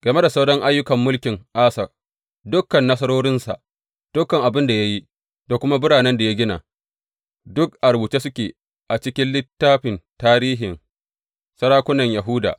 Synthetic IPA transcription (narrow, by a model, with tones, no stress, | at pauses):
ɡ̥ɐ˨me˦da˨sa˦wɽɔ˦ŋʔa˦jːʊ˦kɐ˨mːʊ˦lkʲɪ˨ŋʔaː˦sɐ˨ | dʊ˦kːɐ˨nːɐ˦s̬ɐ˦ɽoː˦ɽɪ˦nsa̰˨ʔ | d̥ʊ˦kːɐ˨ŋʔa˨bɪ˦nda˨ja˦ji˦ | da˨kʷʊ˦ma˦bʊ˦ɽaː˨nɛ˦nda˨ja˦ɡʲɪ˦na̰˨ | dʊ˦k̚ʔa˨ɾbuː˨t͡ʃe˦sʊ˦kʲeː˨ | ʔa˨t͡ʃɪ˦kʲɪ˦nlɪ˦tːaː˦ɸɪ˨ntaː˦ɾiː˦ɦɪ˨ŋ | sɐ˦ɾaː˦kʷʊ˦nɐ˨ɲja˨ɦʊ˦da̰ː˨